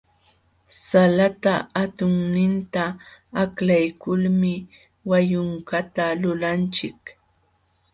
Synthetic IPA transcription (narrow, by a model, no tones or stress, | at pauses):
salat̪aat̪ʊŋnɪnt̪aːklajkʊlmɪ | wajʊŋkat̪alʊlant͡ʃɪk